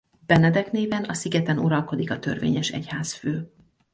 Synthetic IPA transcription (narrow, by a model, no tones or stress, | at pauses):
b̥ɛnɛd̪ɛkneːvɛnɒsiɡɛt̪ɛnuɾɒlko̞d̪ikɒt̪ø̞̰rvḛːɲɛʃɛ̰chaːsføː